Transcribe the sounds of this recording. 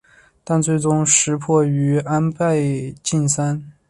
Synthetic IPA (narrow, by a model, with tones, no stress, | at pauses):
t̪a˥˧nt͡swe˥˩ɪʈ͡ʂʊ˥ŋʂɻ̩˧˥pʰwɔ˥˩y˧˥a˥npa˥˧ɪt͡ɕi˥˩nsa˥n